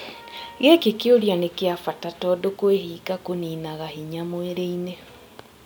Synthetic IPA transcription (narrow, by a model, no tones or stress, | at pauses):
ɣekekeoɾjanekeafatatɔdokoeɦiːkakoniːnaɣahiɲamoeɾeine